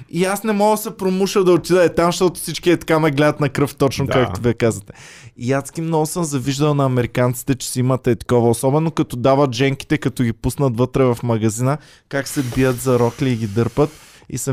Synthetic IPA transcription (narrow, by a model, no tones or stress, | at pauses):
iasnɛmɔɡəsɛpɾomuʃəd̪ɐot̪id̪əɛt̪amʃt̪ɔt̪ʊ̥sit͡ʃkiɛt̪ɐ̥kamɛɡlɛd̪ət̪nɐkɾɤft̪ɔt͡ʃnokak̚t̪oviɛkazət̪ɛ̥iasɡʲimnɔɡʊsəmzɐviʒd̪əlˠnɐɐmɛɾikant̪si̥t̪ɛt͡ʃɛ̥sɛimət̪ːɛt̪ɐ̥kɔvɐosɔbɛnokɐt̪ɔd̪avət̪ʒɛŋki̥t̪ɛkɐt̪ɔɡʲipusnət̪vɤt̪ɾɛvɐfmɐɡɐzinə | kaksɛbijət̪zɐɾɔkliːɡid̪ɤɾpət̪ | ḭsə